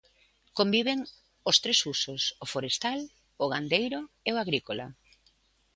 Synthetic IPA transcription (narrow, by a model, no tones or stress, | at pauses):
kombiβ̞eŋ | ʊst̪ɾesusʊsʊfoɾest̪al | ʊɣand̪ejɾo | eoaɣɾikola